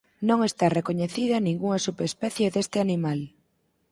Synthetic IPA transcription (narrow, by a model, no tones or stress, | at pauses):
nõŋest̪arekoɲeθiðɐnĩŋɡuŋɐsupespɛθjeðest̪ɪanimal